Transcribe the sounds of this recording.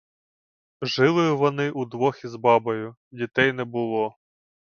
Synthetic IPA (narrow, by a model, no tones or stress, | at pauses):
ʒɪlˠɪjʊʋɔnɪʔud̪ʋɔxʲizbɑbɔjʊ | dʲit̪ɛjnɛbʊlˠɔ